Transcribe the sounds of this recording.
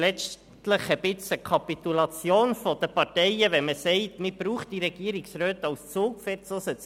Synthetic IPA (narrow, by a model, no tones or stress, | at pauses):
lɛt͡ʃ | tləχəbɪt͡səkʰɑpit̪ulɑt͡sjoːnfɔd̪̥əpɑtɛɪəʋɛməsɛɪtmɪb̥ɾuːχt̚d̥iɾɛɡ̥iːɾiksɾøːt̪ɑwst͡soːkfɛɾt͡sosət͡s